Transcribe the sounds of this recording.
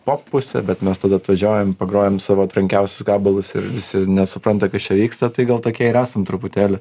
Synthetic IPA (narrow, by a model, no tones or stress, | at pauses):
poːppːʊsʲɛ̰bʲɛt̪mʲɛst̪ɐːd̪ɐɐt̪ʋɐʒʲoːjɛmpɐɡɾoːjɛmsɑːʋoːɐt̪ɾɐŋʲkʲɛʊsʲʊsɡɑːbɐlˠʊsɪ̰rʋʲɪsʲɪnʲɛsʊpɾɐnt̪ɐkɐst͡ʃʲɛʋʲiːkst̪ɐt̪ɐɪɡɐlˠt̪oːkʲiɛɪɾæːsɐmt̪ɾʊpʊt̪ʲeːlʲɪ